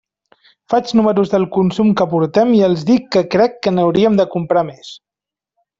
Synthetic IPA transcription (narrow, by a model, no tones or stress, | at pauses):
fad͡ʒnuməɾuzðəlˠkunsumkəpuɾt̪ɛmiəlˠzðikːəkɾɛkːənəwɾiəmd̪əkumpɾames